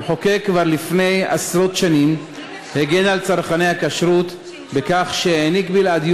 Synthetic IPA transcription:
ħo̞ke̞kvaʁlifne̞ja̰sɾo̞t̪ʃanim | heɡe̞nalt͡saʁχane̞jhakaʃɾut̪ | bekaχʃeenikbilad̪j

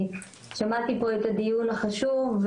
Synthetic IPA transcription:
ʃamat̪ipo̞e̞t̪ad̪ijunaχaʃuv

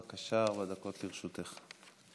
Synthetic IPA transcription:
akaʃaaʁbad̪ako̞t̪liʁʃut̪eχ

